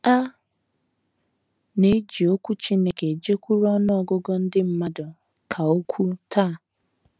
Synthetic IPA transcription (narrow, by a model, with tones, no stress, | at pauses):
a˦ | ne˦d͡ʒi˨o˦kʷu˦t͡ʃi˦ne˨ke˨d͡ʒe˦kʷu˦ɾɔ˦nɔ˦ɔ˨ɡʊ˦ɡɔ˦n̩˦dɪ˦m̩˦ma˦dɔ˨ | kʰa˨o˦kʷʰu˦tʰa˦˨